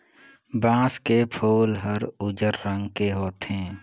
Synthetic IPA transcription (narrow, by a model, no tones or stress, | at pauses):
bãːskepʰoːlɦəɾʊd͡ʒəɾːə̃ŋɡkeɦoːt̪ɦɛ̃ː